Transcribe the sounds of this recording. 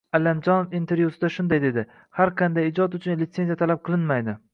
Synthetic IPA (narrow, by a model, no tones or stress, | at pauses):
alːamd͡ʒɒnofint̪ʰe̞ɾjusɪd̪aʃʊnd̪ajd̪e̞d̪ɪ | haɾqʰɑnd̪ajɪd͡ʒɒt̪ʊt͡ʃʰʊnlɪt̪se̞nijat̪ʰalap̚qʰɨlˠɪnmajd̪ɪ